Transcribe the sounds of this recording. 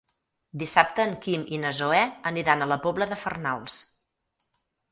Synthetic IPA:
d̪isap̚t̪əːŋkiminəzoɛəniɾanələpɔbləðəfərnalˠs

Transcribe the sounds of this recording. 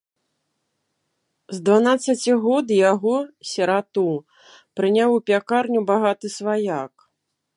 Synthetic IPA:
zd̪vanat̪sːɐt͡sʲiɣɔd̪jaɣɔsʲɛɾat̪u | pɾɨnʲawupʲakarnʲubaɣat̪ɨsvajak

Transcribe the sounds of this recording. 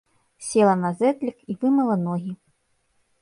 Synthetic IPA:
sʲɛlˠɐnɐzɛt̪lʲikivɨmɐlˠɐnɔɣʲi

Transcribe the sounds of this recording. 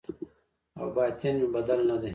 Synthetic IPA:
ɐ̰wbaːt̪enmibɐd̪ɐlnɐd̪e

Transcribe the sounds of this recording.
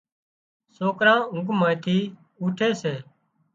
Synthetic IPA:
soːkɾãːʊ̃ŋɡmaːjt̪ʰiː | uːʈʰeːseː

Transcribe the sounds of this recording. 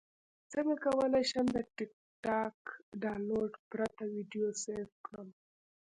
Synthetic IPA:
t͡səŋɡakawəlajʃəmd̪əʈɪk̚ | ʈɑkɖɑloɖpɾat̪awiɖijoseɾfkɽəm

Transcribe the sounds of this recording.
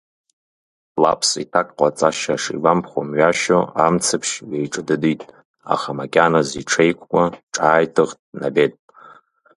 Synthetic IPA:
la̰pʰsḭtʰakʼqʼat͡sʼaʃaʂḭɡampʰχʷomɥaʃoamt͡sʰɨpʰʂjejʈ͡ʂʼɨdɨditʼ | a̰χamakʲʼanaziʈ͡ʂʰejkʷʰkʷʼaʈ͡ʂʼaːjtʰɨʁtʼnabe̞tʼ

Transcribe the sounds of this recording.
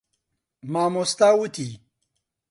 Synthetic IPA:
maːmust̪awut̪ʰi

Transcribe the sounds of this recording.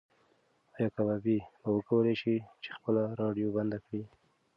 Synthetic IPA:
ɑjɑkababibawəkawəleʃit͡ʃe̥xpəlaɾɑɖjoband̪akɽi

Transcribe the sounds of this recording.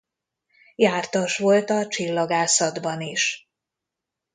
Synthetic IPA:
jaːrt̪ɒʃʋo̞lt̪ɒt͡ʃilːɒɡaːsɒd̪bɒniʃ

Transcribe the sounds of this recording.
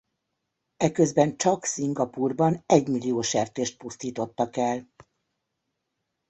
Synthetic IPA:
ɛkøzbɛnt͡ʃɒksiŋɡɒpuːrbɒnɛɟmilːijoːʃɛrt̪eːʃt̪̚pust̪iːt̪o̞t̪ːɒkɛl

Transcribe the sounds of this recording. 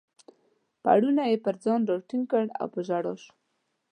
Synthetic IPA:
pa̰ɽunajepəɾd͡zɑndɑʈiŋkəɽa̰wpəʒaɽɑ̰ʃ

